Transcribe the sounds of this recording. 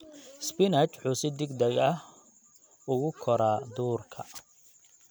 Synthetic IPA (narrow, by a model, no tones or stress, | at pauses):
spɪnɐt͡ʃħuːsɪd̪ɪɡd̪ɛjɐh | ʊɣʊkʰɔɾaːd̪uːrkʰɐ